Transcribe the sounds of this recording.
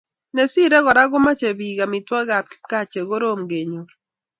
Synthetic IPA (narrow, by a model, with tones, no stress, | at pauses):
ne˨si˦ɾɛ˦ɡɔ˨ɾa˦ɡʊ˦ma˦t͡ʃe˨bi˨ɡa˨mi˨twa˦ɡa˨p̚ki̥˦ka˦t͡ʃe˨ɡo˦ɾo˦˨mɡe˨ɲo˨ɾ